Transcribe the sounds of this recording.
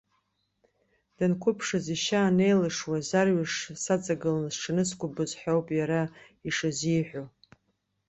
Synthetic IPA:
d̥ankʷʰʊpʰʂaziʃaːne̞jlɨʂwazarɥaʂsat͡sʼaɡɨlanzʈ͡ʂʰɨnɨskʷʰʊbɨzħʷᶣowpʼjaɾa | iʂazijħʷᶣo

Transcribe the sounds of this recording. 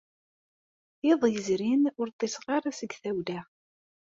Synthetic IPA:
eðˤjəzɾinʊɾt̪ˤːesʁaɾˤasəɡθæwlæ

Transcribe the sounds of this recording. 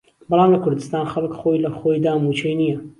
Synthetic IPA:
bɑlˠɑːmlɐkʰʊɾd̪ɨst̪aːnxɐlˠkxojlɐxojd̪aːmut͡ʃʰejnijɐ

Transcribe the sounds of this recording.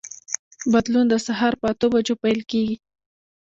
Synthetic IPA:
bad̪lund̪əsaɦɑɾpəat̪obad͡ʒopajlkeɡi

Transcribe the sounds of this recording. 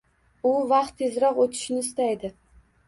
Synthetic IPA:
ʊvɑqt̪ːʰezɾɒqot̪ʰɪ̥ʃnɪːst̪ajd̪ɪ

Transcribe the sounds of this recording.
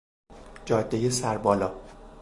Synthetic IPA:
d͡ʒɒːd̪ːejesæɾbɒːlɒː

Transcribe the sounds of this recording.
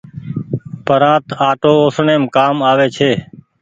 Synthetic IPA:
pəɾãːt̪aːʈoːoːsɳeːmkaːmaːʋeːt͡ʃʰeː

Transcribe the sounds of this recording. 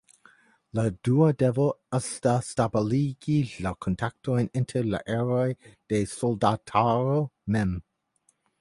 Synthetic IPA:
laduadevoastastabeliɡilakʰontʰak̚tojnintʰeɾla̰ʔeɾojd̥esoldatʰaɾomɛm

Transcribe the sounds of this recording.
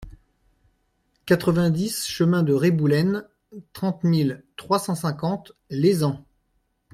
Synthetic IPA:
kat̪χəvɛ̃d̪isʃəmɛ̃d̪əʁebulɛn | t̪χɑ̃t̪milt̪χwasɑ̃sɛ̃kɑ̃t̪lezɑ̃

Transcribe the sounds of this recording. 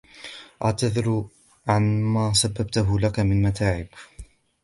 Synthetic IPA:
ʔaʕt̪aðɪɾ | ʕanmaːsabːab̚t̪ʊɦʊlakamɪnmat̪ʰaːʕɪb

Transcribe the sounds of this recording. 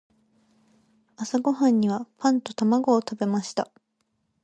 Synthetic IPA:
asaɡo̞ɦãɲ̟ːiβapãnt̪o̞t̪amaɡo̞ːt̪abe̞maɕi̥t̪a

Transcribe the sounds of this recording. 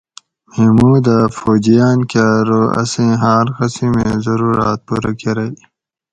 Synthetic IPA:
memuːd̪afoːd͡ʑijaːnkaɾoɐ̰sĩɦaːɾkɐsimezɐɾuːɾaːt̪̚puɾakeɾɐj

